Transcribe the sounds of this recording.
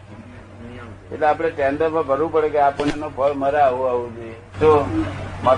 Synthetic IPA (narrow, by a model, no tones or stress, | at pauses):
ḛʈleapɽ̃eʈɛ̃nd̪əmə̃bʱəɾũpəɽekeapənenobʱəɭməɾaːʋoaʋũd̪e | t̪omə